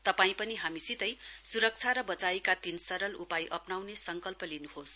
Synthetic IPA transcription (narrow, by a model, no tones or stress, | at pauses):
t̪ʌpaĩpʌniɦamisit̪ʌjsuɾʌk̚t͡sʰaɾʌbʌt͡saekat̪insʌɾʌlupajʔʌpnawnesʌŋkʌlpʌlinuhos